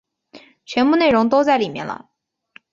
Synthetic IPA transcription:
t͡ɕʰɥɛ˧˥npu˥˧ne˥˩ɪɻʊ˧˥ŋt̪o˥ʊt͡sa˥˩ɪli˨˩mjɛ̰˥˩nlə̰˨˩

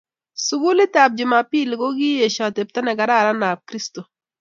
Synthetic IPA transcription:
su˨ɡu˦lɪ˦ta˨p̚d͡ʒɪ˨ma˨pi˦˨lko˦ɡi˦e˨ʃa˨te˨p̚tɛ˦nɛ˨ɡa˨ɾa˦˨ɾa˦na˨p̚kɾi˦sto˨

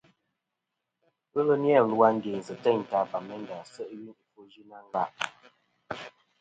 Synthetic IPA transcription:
ə˦lə˦njɛ˦˨lu˦wa˦ŋ̩˦ɡe˨n̩˨zə˨tɛ˦˨ɲ˨ta˨ba˨mɛ˦n˦da˨sə˦ʔɥi˦ni˨fo˦d͡ʒi˦na˦ŋ˦ɡa˦ʔ

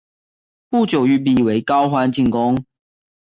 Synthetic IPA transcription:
pu˥˩t͡ɕjo˨˩ʊy˥˩p̬i˨˩we˧˦ɪkɑ˦ʊxwa˦nt͡ɕi˥˨ŋkʊ˦ŋ

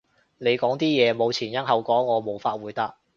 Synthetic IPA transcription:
ne˨˧jkɔː˨˥ŋt̪iː˥jɛː˨˧mo˨˧wt͡sʰiː˨˩njɐ˥nɦɐ˨wkɔː˨˥ŋːɔː˨˧mo˨˩wfaː˧t̚wuː˨˧jt̪ɐ˥k̚

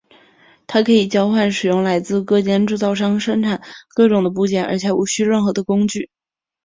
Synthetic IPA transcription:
t̪ʰa˥kʰɤ˧˥i˨˩t͡ɕjɑ˥ʊxwa˥˩nʂɻ̩˨˩jʊ˥˩ŋla˧˥ɪt͡sɹ̩˥˧kɤ˥˩t͡ɕjɛ˥nʈ͡ʂu˥˧t͡sɑ˥˩ʊʂɑ˥ŋʂə˥ŋʈ͡ʂʰa˨˩˦nkɤ˥˩ʈ͡ʂʊ˨˩ŋd̪ə˦p̬u˧˥t͡ɕjɛ˨˩nə̰˞˧˥t͡ɕʰjɛ˨˩u˧˥˩ɕy˥ɻə˥˩nxɤ˧˥d̪ə˧kʊ˥ŋt͡ɕy˥˩

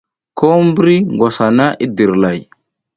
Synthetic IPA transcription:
kʰo˦m˦bɾi˦ŋɡwa˨sa˨na˦ʔi˦di˨ɾla˨j

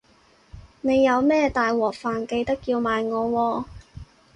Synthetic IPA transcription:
ne˨˧jːɐ˨˧wmɛː˥t̪aː˨jwɔː˨˩k̚faː˨˩nke˧jt̪ɐ˥kːiː˧wmaː˨jŋɔː˨˧wɔː˧

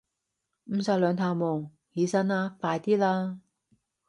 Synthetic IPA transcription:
m̩˨˧saː˧˩lœː˨˧ŋt̪ʰaː˨˧˩wmoː˨˩ŋ | hiː˨˧sɐ˧˥naː˧faː˧jt̪iː˥laː˧

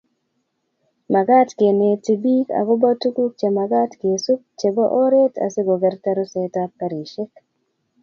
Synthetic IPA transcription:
ma˨ɡa˦tke˨ne˨ti˨bi˦ka̰˨kʊ˦ba˦tu˦ku˦k̚t͡ʃe˨ma˨ɡa˦tke˨su˦k̚t͡ʃe˨bo˦ʔo˦ɾe˦ta̰˨sɪ˦ɡo˨ɡɛ˨ɾta˦ɾo˦se˦ta˦kːa˨ɾi˨ʃe˦k

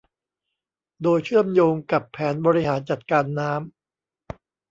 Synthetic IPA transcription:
doː˧jt͡ɕʰɯ˥˩əmjoː˧ŋka˨˩pʰːɛː˩˦nbɔː˧ɾi˦˥haː˩˦nt͡ɕa˨˩t̪̚kaː˧nːaː˦˥m

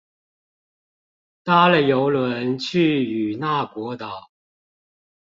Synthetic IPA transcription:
t̪a˥lə˨˩jo˧˥ʊlwə˧˦nt͡ɕʰy˥˩y˨˩na˥˩kwɔ˧˥t̪ɑ˨˩˦ʊ

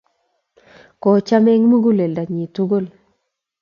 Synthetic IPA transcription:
kɔ˨t͡ʃa˦me˦ŋmu˦ɡu˦le˨lda˨ɲi˨tu˦ɡo˦˨l

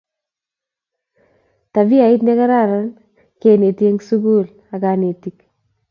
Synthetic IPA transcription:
ta˨vi˦a˨i˦t̬ne˦ka˦ɾa˦˨ɾa˦n | ke˨ne˨te˦ŋsu˦ku˦l | a˨ka˨ne˨ti˨k

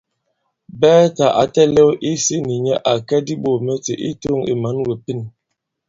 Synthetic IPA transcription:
bɛː˦ta˨ʔa˨tɛ˦lɛ˦wʔi˦si˦ni˨ɲɛ˦ʔa˨kɛ˦di˦ɓo˨mɛ˦tḛ˨ʔi˦to˦ŋḭ˨ma˨˦nwe˨pi˦n

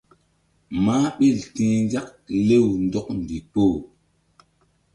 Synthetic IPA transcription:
maː˦ɓi˦˨ltĩː˦nza˦k̚le˦˨wndo˦k̚n˨di˨po˦˨

